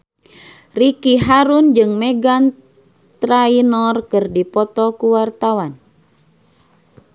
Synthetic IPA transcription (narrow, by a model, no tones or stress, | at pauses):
rikiɦaɾund͡ʒɨŋmɛɡan | t̪ɾainɔrkɨrdipɔt̪ɔkuwart̪awan